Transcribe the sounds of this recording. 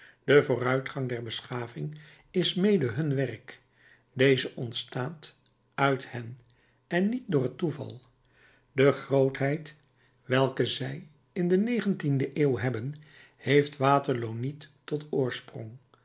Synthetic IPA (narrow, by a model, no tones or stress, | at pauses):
d̥əvʊːrœɥtχɑŋdɛɹbəsχaːvɪŋ | ɪsmejdəɦɵnʋɛrk | dejzəʔɔntstaːt | œɥthɛn | ɛnːit̚dʊːrətuvɑ̰lˠ | dəχrowtɦɛjt | ʋɛlˠkəzɛj | ɪndənejχəntindəʔeːwɦɛbən | hejftʋaːtəɹlownitː | ɔtʊːɹsprɔ̰ŋ